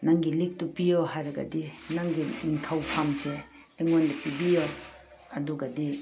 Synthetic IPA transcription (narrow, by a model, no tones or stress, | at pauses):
nɐŋɡilik̚tupijoɦajɾɐɡɐ̰dinaŋɡiniŋtʰawpʰamseː | ŋondɐpibijo | ɐduɡɐdi